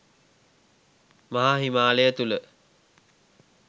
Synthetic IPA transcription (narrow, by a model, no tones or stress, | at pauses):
maɦaɦimaːlejət̪ulə